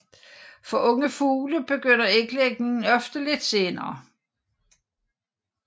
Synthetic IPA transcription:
fɒ̽ʔɔ̽ŋəfuːləb̥e̝ɡ̥øn̰ɐeɡ̥leɡ̥ne̝ŋn̩ɒfd̥əle̝d̥se̝ːnɐː

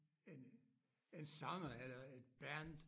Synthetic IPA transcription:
en | ensɑ̈ŋɐelɐed̥̚b̥ænd̥

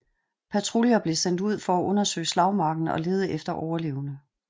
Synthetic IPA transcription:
pʰæt͡sʰʁuljɐb̥le̝sen̰d̥uð̞̰ˠfɒ̽æʔɔ̽nɐsø̰ːɪslɑ̈ʊmɑ̈ːɡ̥n̩ɒ̽le̝ːð̞ˠəʔefd̥ɐʔɒʊɐle̝̰ːʊnə

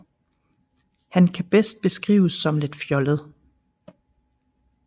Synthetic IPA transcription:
hænkʰæb̥esd̥̚b̥e̝sɡ̥ʁḭːʊsːɒ̽mle̝d̥fjɒ̽ləð̞̩ˠ

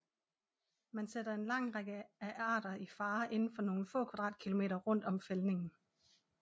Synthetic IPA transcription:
mænsed̥ɐe̝nlɑ̈ŋ̰ʁaɡ̥əæʔɑ̈ːd̥ɐifɑ̈ːʔe̝nn̩fɒ̽no̝ːn̩fɔ̰̽ːkʰʋæd̥ʁɑ̰̈ːd̥̚kʰilo̝me̝̰ːɾɐʁɔ̽n̰d̥ɒ̽mfelne̝ŋn̩

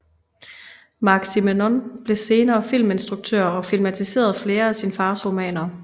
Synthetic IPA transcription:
mɑ̈ɡ̥simenɔnb̥le̝se̝ːnɐːfilme̝nsd̥ʁuɡ̥̚t͡sʰøɐ̰ɒ̽filmæt͡sʰise̝̰ːɐð̞ˠfle̝ːɐæsinfɑ̈ːsʁo̝mɛ̰ːnɐ

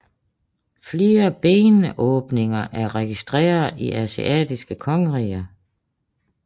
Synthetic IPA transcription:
fle̝ːɐb̥eːnəʔɔ̽ːb̥ne̝ŋɐʔæɐʁɛɡ̥isd̥ʁɛ̰ːɐðˠiʔæsḭʔɛ̰ːd̥isɡ̥əkʰɒ̽ŋəʁḭːɐ

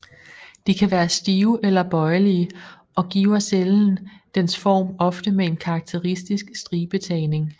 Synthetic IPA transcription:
d̥ikʰæʋæːɐsd̥iːʊʔelɐb̥ɒ̽ɪliə | ʔɒ̽ɡ̥ḭːʊɐseln̩d̥ensfɒ̰ːmɒ̽fd̥əmee̝nkʰɑ̈ɡ̥̚t͡sʰe̝ʁisd̥isɡ̥sd̥ʁiːb̥e̝t͡sʰɛ̰ːne̝ŋ

